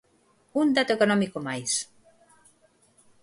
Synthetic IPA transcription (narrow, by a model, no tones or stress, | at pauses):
und̪at̪oekonɔmikomajs